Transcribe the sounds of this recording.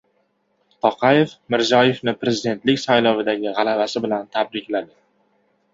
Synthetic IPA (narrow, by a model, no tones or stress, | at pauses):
t̪ʰɒqʰɑje̞fmɪɾzɒje̞fnɪpɾe̞zɪd̪e̞nt̪lɪkʲsajlɒvɪd̪aɡʲɪʁɑlˠavasɪbɪlant̪ʰabɾɪkʲlad̪ɪ